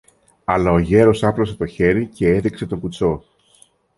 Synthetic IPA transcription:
ɐlɐoʝe̞ɾo̞sɐplo̞s̬e̞t̪o̞çe̞ɾice̞eðikse̞t̪o̞ŋɡut͡so̞

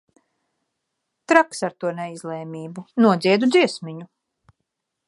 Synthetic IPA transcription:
t̪ɾaksaɾt̪uɔnɛizlˠɛːmʲiːbunuɔd̪zʲiɛd̪ud̪ziɛsmiɲu

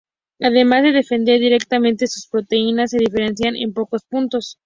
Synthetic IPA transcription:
aðe̞mazðe̞ðe̞fe̞nd̪e̞ɾðiɾe̞k̚t̪amẽnt̪e̞su̥spɾo̞t̪einas̬ːe̞ðife̞ɾe̞nsjane̞̰mpo̞ko̞spunt̪o̞s

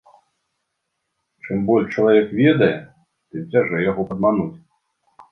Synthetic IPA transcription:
t͡ʂɨmbɔlʲʂt͡ʂɐlˠavʲɛkvʲɛd̪ɐjɛ | t̪ɨmd͡zʲaʐɛjaɣɔpɐd̪̚manut͡sʲ

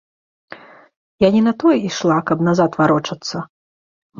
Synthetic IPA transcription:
janʲinɐt̪ɔjɛiʂlˠakɐbnazat̪vaɾɔt͡ʂɐt̪sːɐ

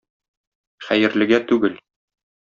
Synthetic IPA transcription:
χæjɘ̆ɾlɘ̆ɡæt̪ʉɡɘl

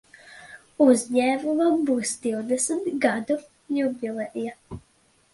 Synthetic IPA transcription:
uzʲɲɛːmuvabusd̪iwd̪ɛsmt̪ɡad̪u | jubʲilˠɛʔja

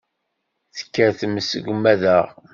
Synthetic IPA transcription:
θə̥kːæɾθəmːəsə̰ɡʷmːæðəʁ

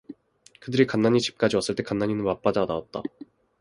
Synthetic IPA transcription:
kɯdɯɾikanːaɲit͡ɕi̥p̚k͈ad͡ʑiwas͈ɯɭt͈e̞kanːaɲinɯnmap͈adadaat̚t͈a̰

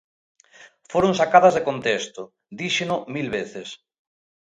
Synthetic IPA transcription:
foɾoŋsakað̞ɐzðekont̪est̪ʊ | d̪iʃenʊmilβeθes

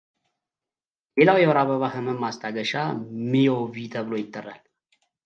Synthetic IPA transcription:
le̞lawjɛwɾaβəβahəmənmast̪ʰʼaɡəʃamioβit̪ʰəβɨlo̞jɪt̪ʼːərːa̰l

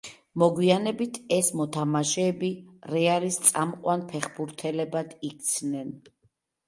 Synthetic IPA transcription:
mɔɡwianɛbit̪ʰɛsmɔt̪ʰamaʃɛːbiɾɛalist̪sʼamqʼwanpʰɛχbuɾt̪ʰɛlɛbad̪̥ik̚ʰt̪sʰnɛn

